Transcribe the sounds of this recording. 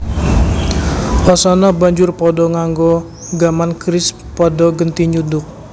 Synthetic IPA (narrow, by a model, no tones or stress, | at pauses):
ʔɔsɔnɔbaɲd͡ʒʊrpɔdɔŋaŋɡɔ | ɡamankɾɪs | pɔdɔɡənt̪iɲudʊk̚